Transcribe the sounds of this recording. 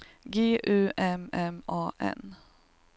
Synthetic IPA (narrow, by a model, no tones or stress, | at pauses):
ɡeːʔʉːʔɛmɛmɑːʔɛ̰n